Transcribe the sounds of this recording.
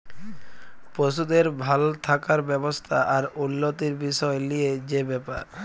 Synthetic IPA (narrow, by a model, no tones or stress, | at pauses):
pɾoʃ̬ud̪eɾbʱalt̪ʰakaɾbɛbost̪ʰaʔaɾunːot̪iɾbiʃɔelijed͡ʑebɛpa̰ɾ